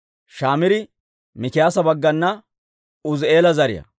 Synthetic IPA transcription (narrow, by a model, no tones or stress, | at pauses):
ʃaːmɪɾɪ | mɪkɪjaːsɐbɐɡːɐnːɐ | ʊze̞ːlɐzɐɾɪjɐ̰